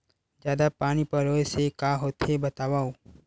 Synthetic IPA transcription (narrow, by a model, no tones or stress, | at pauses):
d͡ʒjaːd̪apaːñipɐɾoːesekaːɦoːt̪ebɐt̪aːʋaːoː